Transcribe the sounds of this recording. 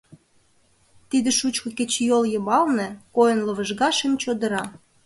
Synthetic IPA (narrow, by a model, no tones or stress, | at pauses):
t̪id̪ĕʃut͡ɕkɤ̆ket͡ɕjoljɤmɑlnĕkojənlə̆βə̆ʒɣɑʃemt͡ɕod̪ə̆ɾɑ